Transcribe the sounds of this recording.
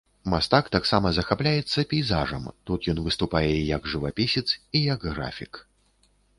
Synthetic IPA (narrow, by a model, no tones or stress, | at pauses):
mast̪akt̪aksamɐzɐxaplʲajɛt̪sːɐpʲijzaʐɐmt̪ut̪jɔnvɨst̪upajɛjɐɡʐɨvapʲisʲɛt̪sijɐɡɣɾa̰fʲik